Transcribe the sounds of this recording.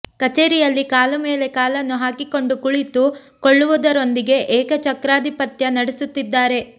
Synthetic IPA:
kɐt͡ʃeːɾijɐlːikaːlɐme̞ːle̞kaːlɐnːuɦaːkiko̞ɳɖukuɭit̪u | koɭːuʋud̪ɐɾo̞nd̪iɡe̞ʔɛːkɐt͡ʃɐkɾaːd̪ipɐt̪jɐnɐɽesut̪ːid̪ːaːɾe̞

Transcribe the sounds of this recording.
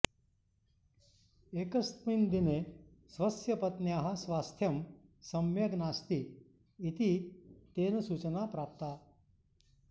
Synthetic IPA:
ekəst̪mind̪ine | sʋəsjɐpət̪njaɦasʋast̪ʰjɐmsəmjəɡnast̪iː | it̪iːt̪ensut͡ɕənapɾap̚t̪a

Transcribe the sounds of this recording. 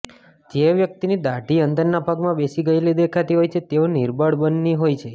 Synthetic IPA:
d͡ʒeʋjək̚t̪inid̪aʈiənd̪əɾnapaɡmãbesiɡəjled̪ekʰat̪iɦojt͡ʃʰet̪eoniɾbəɽbənːiɦojt͡ʃʰe

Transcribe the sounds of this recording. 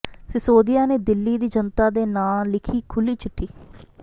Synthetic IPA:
sɪsoːd̪ɪjaːneːd̪ɪlːiːd̪iːd͡ʒənt̪aːd̪eːnaːlɪkʰiːkʰʊliːt͡ʃʰʊʈʰːiː

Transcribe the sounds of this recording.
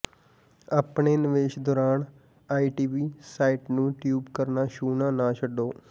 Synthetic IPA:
aːpɳeːnɪʋeːʃd̪ɔːɾaːn | aːiːʈiːʋiːsaːiːʈnũːʈjuːbkəɾnaːʃuːnãːnãːt͡ʃʰəɖoː

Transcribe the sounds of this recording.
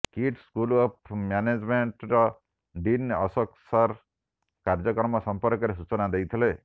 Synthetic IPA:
kiʈskulɔp̚ʰmjaned͡ʒmeɳʈɾɔ | ɖinɔsɔksaɾ | kaɾd͡ʒɔkɾmɔsɔmpɔɾkɔɾes̬ut͡ʃɔnad̪ejt̪ʰile

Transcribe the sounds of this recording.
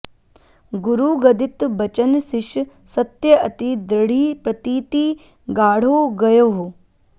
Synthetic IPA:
ɡuɾuɡɐd̪it̪bɐt͡ʃɐnsiʃ | sɐt̪jɐɐt̪id̪ɾɐɽ̤iːpɾɐt̪iːt̪iː | ɡaːɽ̤oːɡɐjoːɦ

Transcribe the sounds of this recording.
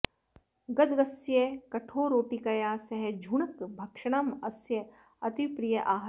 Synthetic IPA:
ɡɐd̪ɡɐsjekɐʈʰoːɾoːʈikɐjaːsɐɦed͡ʒʱuɳɐkbʱɐkʂɐɽ̃ɐmɐsjɐ | ɐt̪ipɾijɐʔaːɦ

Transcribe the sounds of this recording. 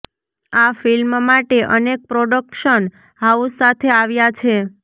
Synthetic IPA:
afilmmaʈeʔənek̚pɾoɖəkʃən | ɦausat̪ʰeaʋjat͡ʃʰe

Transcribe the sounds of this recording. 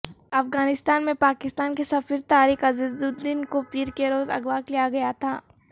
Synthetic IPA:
ɐfɡaːnɪst̪aːnmẽpaːkɪst̪aːnkesɐfiɾt̪aːɾixɐzɪzd̪ud̪d̪ɪnkopiːɾkeɾoːzɐ̰ɡʋaːklijaɡɐjat̪ʰaː

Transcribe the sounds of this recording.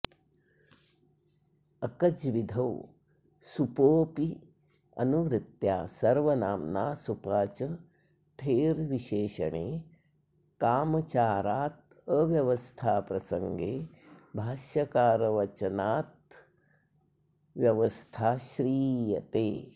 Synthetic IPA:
ɐkɐd͡ʒʋid̪ʱɐw | supoːpi | ɐ̰nuʋɾɪt̪jaːsɐɾʋɐnaːmnaːsupaːt͡ʃɐ | t̪ʰeːɾʋiʃeːʃɐ̰ɳḛː | kaːmɐt͡ʃaːɾaːt̪̚ | əʋjɐʋɐst̪ʰaːpɾɐsɐŋɡeː | bʱaːʃɐkaːɾɐʋɐt͡ʃɐnaːt̪̚ | ʋjɐʋɐst̪ʰaːʃɾiːjɐ̰t̪eː

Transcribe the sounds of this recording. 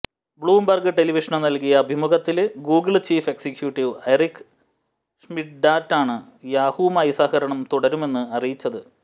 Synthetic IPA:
bɭuːmbɐrɡɨʈe̞liʋiʂɐɳɐmnɐlkijɐːbʱimuɣɐt̪ːilɡuːɡɨɭt͡ɕiːfe̞ksikjuːʈːiʋɐjrikːɨ̥ | ʂmiʈɖaːtːaːɳɨ | jaːhuːmaːjɐsaːhɐɾɐɳɐmt̪uɽɐɾume̞nːɨɐrijit͡ɕːɐðɨ

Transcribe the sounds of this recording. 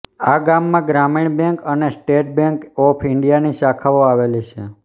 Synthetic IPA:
aɡamːãɡɾamiɳ̃bɛ̃ŋkənesʈeʈ̚bẽŋkɔpʰɪɳɖijaniʃakʰaʋoaʋelit͡ʃʰe

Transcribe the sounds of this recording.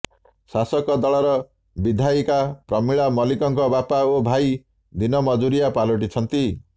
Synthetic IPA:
sasɔkɔd̪ɔɭɔɾɔ | bid̪ʱaikapɾɔmiɭamɔlikɔŋkɔbapaobʱaj | d̪inɔmɔd͡ʒuɾijapalɔʈit͡ʃʰɔnt̪i

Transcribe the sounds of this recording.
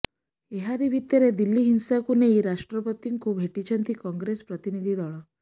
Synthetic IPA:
eɦaɾibʱit̪jɔɾed̪ilːiɦinsakuneiɾaʂʈɾɔpɔt̪iŋkubʱeʈit͡ʃʰɔnt̪ikɔŋɡɾespɾɔt̪inid̪ʱid̪ɔɭɔ

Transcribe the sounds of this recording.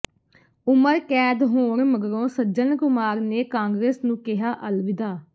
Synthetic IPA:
ʊməɾkɛːd̪ɦoːɾməɡɾõːsəd͡ʒənkʊmaːɾneːkãːŋɡɾeːsnũːkɪɦaːʔəlʋɪd̪aː

